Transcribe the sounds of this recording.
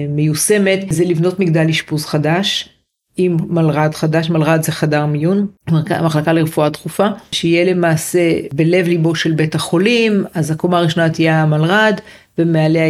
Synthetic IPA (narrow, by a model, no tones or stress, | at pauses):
mejuse̞me̞t̪zelivno̞tmiɡd̪aliʃpuzχadaʃ | imːalʁadχadaʃmalʁad̪zeχadaʁmijunamaχlakaleʁefuat̪χufaʃeijele̞maːse̞bele̞vlibo̞ʃelbe̞taχo̞limazakomaːʁiʃo̞nat̪ijamalʁad | vemeale